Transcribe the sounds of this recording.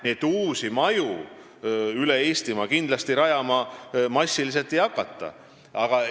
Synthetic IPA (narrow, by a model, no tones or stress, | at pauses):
net̪ːuːsimɑju | yle̞eːst̪imɑkind̪lɑst̪iɾɑjɑmɑmɑsʲːilis̬elt̪ːˑejɑkːˑɑt̪ːˑɑ̰ | ɑɡ̥ɑ